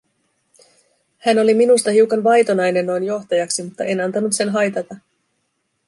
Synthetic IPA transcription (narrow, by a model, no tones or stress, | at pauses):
hæno̞liminust̪ɑɦiwkɑnʋɑjt̪o̞nɑjne̞nːo̞jnjo̞xt̪ɑjɑksimut̪ːɑʔe̞nɑnt̪ɑnut̪se̞nɦɑjt̪ɑt̪ɑ